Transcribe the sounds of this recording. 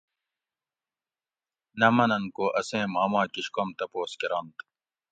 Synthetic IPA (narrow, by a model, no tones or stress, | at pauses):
nɐmɐnɐnkoːʔɐsẽːmaːmaːkiɕkomt̪ɐpoːskiɾɑnt̪